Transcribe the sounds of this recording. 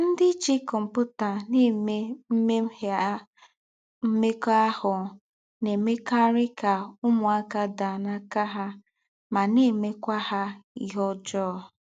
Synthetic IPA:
n̩˦dɪ˦t͡ʃi˦kʊ˨m̩˨pʊ˦ta˨ne˦e˦m̩˦me˦m̩˦he˨˦ | m̩˦me˦kɔ˦a˦hʊ˨ | ne˨me˦ka˦ɾɪ˦ka˨ʊ˦mʊ˨a˦ka˦da˨na˦ka˦ɦa˦ | ma˨ne˦˨me˦kʷa˦ha˦ḭ˨ɦɔ˦d͡ʒɔː˦˨

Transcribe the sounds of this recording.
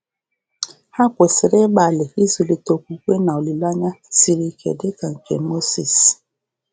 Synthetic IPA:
ha˦kʷe˨sɪ˨ɾɪ˦ɡ͡ba˨lɪ˨i˦zu˨li˨to˨kʷu˨kʷe˦na˨o˨li˨la˦ɲa˦si˨ɾi˦˨kʰḛ˨dɪ˦ka˨ŋ̩˨kḛ˨˦mo˦si˨s

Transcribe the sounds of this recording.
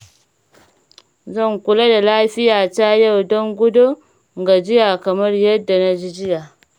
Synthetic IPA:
zɐ˦˨ŋkʷʊ˨la˦da˨laː˦ɸɪ˦jaː˨ta˦ja˦wdɔ˦ŋɡʷʊ˦do˦ | ŋɡa˨d͡ʒɪ˦ja˨kɐ˨mɐ˦rjɐ˦dːa˨na˦d͡ʒi˦d͡ʒɪ˦ja˨

